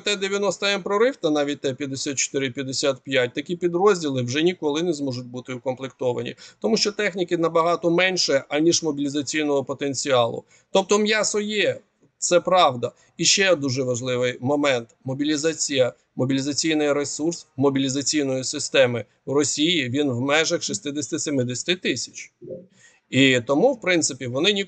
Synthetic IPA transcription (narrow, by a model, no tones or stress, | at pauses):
t̪ɛd̪eʋʲjɐnɔst̪ɐɛmpɾɔɾɪwt̪ɐnɑʋʲit̚ʲt̪ɛpʲjɐd̪esʲat̪̚t͡ʃɔ̥t̪ɪɾɪpʲjɐd̪esʲat̪pʲjat̚ʲt̪ɐkʲipʲid̪ɾɔzʲdʲilˠɪwʒɛnʲikɔlˠɪnɛzmɔʒʊt̚ʲbut̪ɪʊkɔmplˠɪk̚t̪ɔʋɐ̰nʲḭt̪ɔmuʃt͡ʃɔt̪ɛxnʲikɪnɐbɐɦɑt̪ɔmɛnʲʃɛʔɐnʲiʃmɔbʲilʲizɐt͡sʲijnɔɦɔpɔt̪enʲt͡sʲiɑlˠʊ̰ | t̪ɔp̚t̪ɔmjasɔjɛ | t̪sɛpɾɑʋd̪ɐ | iʃt͡ʃɛd̪uʒɛʋɐʒlˠɪʋɪjmɔmɛnt̪mɔbʲilʲizɑt͡sʲijɐ | mɔbʲilʲizɐt͡sʲijnɪjɾesursmɔbʲilʲizɐt͡sʲijnɔjisɪst̪ɛmɪ | wrɔsʲijiʋʲinwmɛʒɐxʃist̪ɪd̪esʲt̪ɪsʲemɪd̪ɪsʲɐ̥t̪ɪt̪ɪsʲɐ̥t͡ʃ | it̪ɔmuwpɾɪnt̪sɪpʲiʋɔnɪnʲi